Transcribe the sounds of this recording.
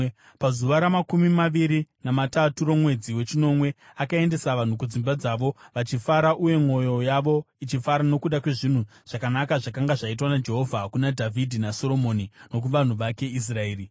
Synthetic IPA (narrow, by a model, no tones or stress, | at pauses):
pazuʋaɾamakumimaʋiɾinamataturo̞mwe̞d͡ziwe̞t͡ʃino̞mwe̞akae̞nde̞saʋan̤uk̬ud͡zimbad͡zaːʋo̞ʋat͡ʃifaɾaʔuje̞ŋo̞jo̞jaʋo̞ | it͡ʃifaɾano̞kuɗakwe̞ʐin̤u | ʐ̥akanakaʐakaŋɡaʐait̬wanad͡ʒe̞ɦo̞vʱakunadʱavʱidʱinaso̞ɾo̞monino̞k̬uʋan̤uʋake̞is̬raeːri